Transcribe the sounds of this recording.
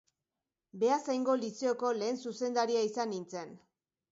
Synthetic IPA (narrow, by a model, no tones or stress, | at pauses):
be̞asajŋɡo̞liseoko̞le̞ːnsuse̞nd̪aɾiaisanint͡se̞n